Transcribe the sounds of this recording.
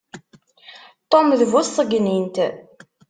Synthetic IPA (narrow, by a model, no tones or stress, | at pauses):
t̪ˤomðvʊsˤəɡnint̪